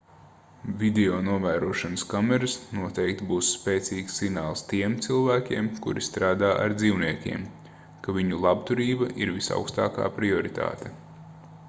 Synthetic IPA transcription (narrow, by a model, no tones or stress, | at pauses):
vʲid̪eoːnuɔvæːɾuɔʃɐnəskamɛɾasnuɔt̪ɛjk̚t̪buːsːpʲeːt̪siːksːiɡnaːlˠst̪iɛmt̪silˠvæːkʲiɛmkṵɾist̪ɾaːd̪aːʔa̰ɾd̪ziːwniɛkʲḭɛm | kavʲiɲulˠabt̪uɾiːbɐʔiɾvisa̰wkst̪a̰ːka̰ːpɾiɔɾit̪ʰa̰ːt̪e